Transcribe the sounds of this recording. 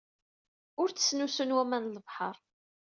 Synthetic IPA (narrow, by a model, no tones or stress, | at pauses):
ʊɾt͡sə̥snusənwæmænləvħəɾˤ